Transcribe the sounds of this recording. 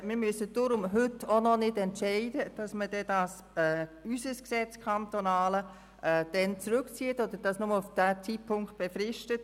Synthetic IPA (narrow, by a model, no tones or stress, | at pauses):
mɪɾmysəd̥ʊɾʊmɦʏtonɔnɪdɛntʃɛɪdəd̥ɑsməd̥ɛdɑs | ɛːysəsksɛt͡skʰɑntonɑːlə | ʔɛd̥ɛnt͡sɾʉkt͡siːətod̪əɾd̥ɑsnʊməlufd̥æːt͡sitpʰʊŋkt̚b̥efɾɪʃtət